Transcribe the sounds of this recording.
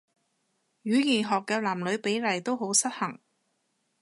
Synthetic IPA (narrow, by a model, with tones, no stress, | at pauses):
ɥyː˨˥jiː˨˩nɦɔː˨kːɛː˧laː˨˩mlɵ˨˧ɥpe˨˥jlɐ˨˩jt̪o˥wɦo˨˥wsɐ˥t̚hɐ˨˩ŋ